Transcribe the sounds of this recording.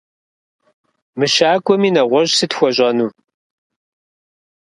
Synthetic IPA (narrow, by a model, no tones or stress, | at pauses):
mɨʃaːkʷʼɔmiːnɐʁʷɔʑsɨtxʷɔʑʷʼɐnuː